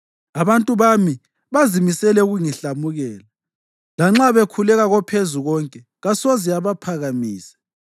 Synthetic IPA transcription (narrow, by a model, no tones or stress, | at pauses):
aβantʼuβami | βazimisɛlɛuɣuŋiɬamuɣɛːla | laŋ͡ǁaβekʰulɛɣaɣɔpʰezuɣɔŋkʼɛ | ɣasoziaβapʰaɣamiːsɛ̥